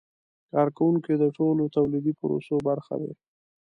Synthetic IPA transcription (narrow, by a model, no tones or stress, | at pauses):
kɑɾkawuŋkid̪əʈolot̪awlid̪ipʊɾo̰sobaɾxa̰d̪ḛ